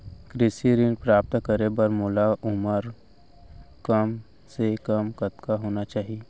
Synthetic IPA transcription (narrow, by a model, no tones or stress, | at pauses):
kɾɪsiɾɪnpɾaːp̚t̪kəɾebəɾmʊlaʔʊməɾ | kəm | sekəmkət̪kaɦoːnat͡ʃaːɦie